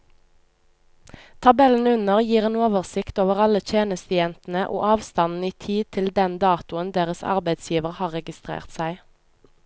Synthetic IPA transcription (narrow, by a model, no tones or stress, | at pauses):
t̪ʰɑbɛln̩ʉnəʁjiːʁeːnoːʋəʁsɪkt̪oːʋəʁɑlət̪ʰjeːnəst̪əjɛnt̪n̩əʔo̰ːʔɑːʋst̪ɑnn̩iːt̪ʰiːt̪ʰɪld̪ɛnd̪ɑːt̪ʊənd̪eːʁəsɑ̰ʁbæɪd̪sjiːʋəʁhɑːʁɛɡɪst̪ʁḛːʁt̪sæɪ